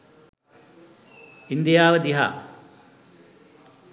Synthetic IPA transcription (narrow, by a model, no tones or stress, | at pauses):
ind̪ijaːʋəd̪iɦa̰ː